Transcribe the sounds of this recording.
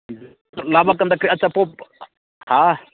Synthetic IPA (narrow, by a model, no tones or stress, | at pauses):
labakand̪akɾiat͡ʃːapɔp̚ | ha